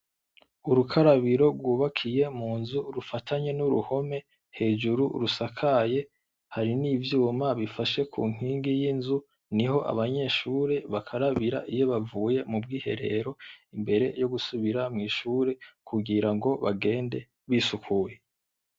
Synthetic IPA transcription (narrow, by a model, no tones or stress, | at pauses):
uɾukʰaɾaβiɾo̞ɡwuːβakʰije̞muːnzuɾufatʰaɲe̞nuɾuho̞me̞ | he̞ːd͡ʒuɾuɾusakʰaje̞ | haɾinivjuːwomaβifaʃe̞kʰṵːŋ̥hiːŋɡijinzu | niho̞ʔa̰βaɲe̞ʃuːɾe̞βakʰaɾaβiɾa̰ʔijo̞βavuːje̞mub̚ɡiːhe̞̰ɾe̞̰ɾo̞imbe̞ɾe̞̰jo̞ɡusuβiɾamŋiːʃuːɾe̞kʰuɡiɾaŋɡo̞βaɡe̞ːnde̞ | βisukʰuje̞